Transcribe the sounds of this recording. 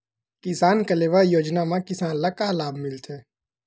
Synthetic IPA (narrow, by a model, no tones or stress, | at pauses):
kɪsaːnkəleʋəjoːd͡ʒnamãkɪsaːnləkalaːbʱmɪlt̪ʰɛː